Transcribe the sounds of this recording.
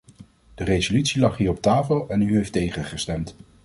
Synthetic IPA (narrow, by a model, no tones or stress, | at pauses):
d̥ərejzolytsilɑχɦiːɹɔp̚taːfəlˠɛnyɦejftejχəχəstɛmt